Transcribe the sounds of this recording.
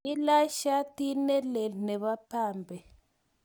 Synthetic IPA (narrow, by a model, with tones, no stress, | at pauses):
i˦la˦ʃa˦ti˦nɛ˦lɛ˨nɛ˨βa˦pʰaː˦˨mbʱɛ˨